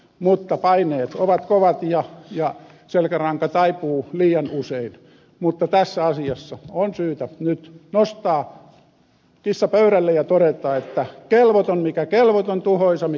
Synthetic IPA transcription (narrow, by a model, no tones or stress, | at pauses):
mut̪ːɑpɑineːt̪oʋɑt̪koʋɑt̪jɑjɑ | selkærɑŋkɑt̪ɑipuːliːjɑnusein | mut̪ːɑt̪æsːæɑsiɑsːɑonsyːt̪ænyt̪nost̪ɑː | kisːɑpøyɾælːejɑt̪oɾet̪ˑɑːet̪ːækelʋot̪onmikækelʋot̪ont̪uhoisɑmi